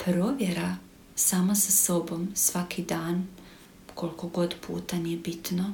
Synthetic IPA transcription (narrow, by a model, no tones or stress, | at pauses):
pɾoːʋjeɾa | saːmasaso̞bo̞msʋakʰid̪aːn | kʰo̞lko̞ɡo̞d̪pʰṵːt̪anijebit̪no